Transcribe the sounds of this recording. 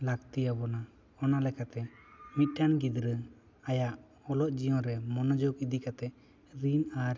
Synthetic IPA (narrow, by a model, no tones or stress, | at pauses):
lakt̪ijabɔna | ɔnalɛkat̪ɛmit̪̚ˀʈanɡid̪ɾə | ajaʔ | ɔlɔt̪̚d͡ʒijɔ̃ɾɛmɔnɔd͡ʒɔɡid̪ikat̪ɛʔ | ɾinaɾ